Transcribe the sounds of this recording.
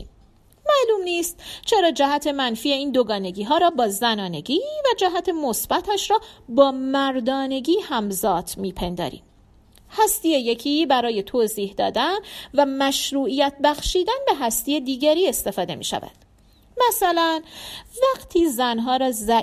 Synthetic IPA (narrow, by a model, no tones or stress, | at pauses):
mæluːmniːst̪̚t͡ʃʰe̞ɾɒːd͡ʒæɦæt̪ʰe̞mænfiːe̞iːnd̪oɡɒːne̞ɟiːɦɒːɾɒːbɒːzænɒːne̞ɡiːvæd͡ʒæɦæt̪ʰe̞mosb̥æt̪ʰæʃɾɒːbɒːmæɾd̪ɒːne̞ɡiːhæmzɒːt̪ʰmiːpʰe̞nd̪ɒ̰ːɾḭːm | hæst̪iːjeje̞cʰiːbæɾɒːje̞t̪ʰoːziːhd̪ɒːd̪ænvæmæʃɾuːʔijæt̪̚ʰbæxʃiːd̪ænbe̞ɦæst̪ijed̪iːɟæɾiːe̞st̪e̞fɒːd̪e̞̰mḭːʃæ̰væ̰d̪̥ | mæsælænvæɡt̪ʰiːzænɦɒːɾɒːzæ